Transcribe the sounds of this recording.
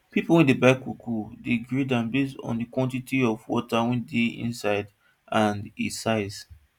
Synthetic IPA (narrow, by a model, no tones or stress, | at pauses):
pipolwɛ̃ndebaɪkukʰudeɡɹidãmbestɔ̰̃ndikwɔ̃ntitiɔvwɔ̰tawɛ̃ndeḭ̃nsaɪd | ʔãnisaɪs